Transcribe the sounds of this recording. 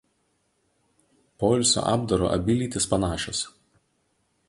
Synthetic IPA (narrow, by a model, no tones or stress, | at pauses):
pɔlʲsʲo̰ʔɑ̰ːbd̪ɐɾo̰ːʔɐ̰bʲɪlʲiːt̪ʲɪspɐnɑːʃʲos